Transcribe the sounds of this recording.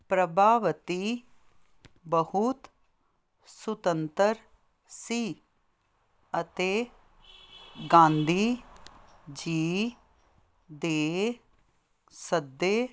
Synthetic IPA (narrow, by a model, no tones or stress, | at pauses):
pɾəbʱaːʋət̪iː | bəhʊt̪ | sʊt̪ənt̪əɾ | siː | ət̪eː | ɡãːnd̪ʱiː | d͡ʒiː | d̪eː | səd̪ːeː